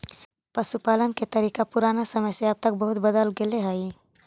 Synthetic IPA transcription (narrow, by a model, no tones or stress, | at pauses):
pəʃupaːlənket̪əɾiːkapʊɾaːnasəməjseɐb̚t̪ək̚bəɦʊt̪̚bəd̪əlɡeleɦəi